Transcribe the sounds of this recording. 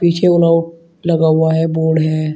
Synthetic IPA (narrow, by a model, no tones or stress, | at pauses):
piːt͡ʃʰeʊləʊʈ̚ | lɐɡaːaɦɛboːɽɦɛː